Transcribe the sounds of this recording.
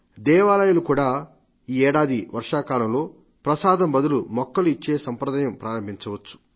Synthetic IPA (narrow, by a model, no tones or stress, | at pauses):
d̪ɛːʋaːlɐjulukuːɽaː | iːɛːɽaːd̪iʋɐɾʂaːkaːlɐmlo̞ː | pɾɐsaːd̪ɐmbɐd̪ulumɔkːɐluit͡ʃːe̞ːsɐmpɾɐd̪aːjɐmpɾaːɾɐmbʱiɲt͡ʃɐʋɐt͡ʃːu̥